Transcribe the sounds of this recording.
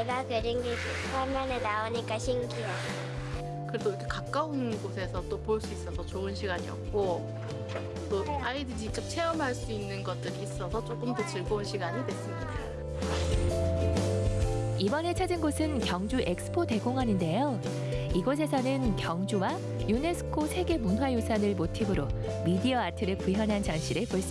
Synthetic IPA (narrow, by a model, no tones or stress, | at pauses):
eɡakɯɾinɡek | pʰamanenaoɲik͈aɕʰiŋɡia | kɯɾe̞dojʌkʰekak̚k͈aunɯnɡosʰe̞sʰʌt͈opoɭs͈uis͈ʌsʰʌt͡ɕoɯnɕʰiɡaɲiʌ̰p̚k͈o | t͈oʔʔaidɯd͡ʑit͡ɕ͈ʌkt͡ɕʰe̞ʌmɦaɭs͈uinːɯnɡʌt̚t͈ɯɾiːs͈ʌsʰʌt͡ɕ͈ok͈ɯmtot͡ɕɯɭɡounɕʰiɡaɲidwe̞s͈ɯmɲida | ibʌnɦe̞t͡ɕʰad͡ʑinɡosʰɯnkjʌŋd͡ʑuʔe̞k̚s͈ʰɯ̥pʰode̞ɡoŋɦaninde̞jo | iɡʌs̬ʰe̞sʰʌnɯnkjʌŋd͡ʑuwa | june̞sʰɯ̥kʰosʰe̞ɡe̞munwajosʰanɯɭmotʰibɯɾo | midiʌatʰɯɾɯɭkiɦjʌnɦant͡ɕaŋɕʰiɾɯɭpoɭs͈u